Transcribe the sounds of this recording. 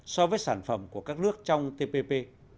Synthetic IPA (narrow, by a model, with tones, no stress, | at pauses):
sɔ˧vəː˨˦jsaː˧˩nfə˧˩mku˧˩əkaː˦˥k̚nɨ˦˥ək̚t͡ɕɔ˧wŋ͡mt̪e˧pe˧pe˧